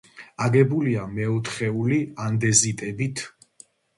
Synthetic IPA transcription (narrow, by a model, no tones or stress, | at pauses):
aɡɛbuliamɛut̪ʰχɛuliand̪ɛzit̪ʼɛbit̪ʰ